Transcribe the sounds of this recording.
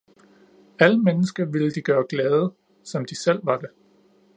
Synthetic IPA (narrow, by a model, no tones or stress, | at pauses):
æləmenəsɡ̥ɐʋe̝ləd̥iɡ̥ɶːɐɡ̥lɛːð̞ˠə | sɒ̽md̥isel̰ʋɑ̈d̥e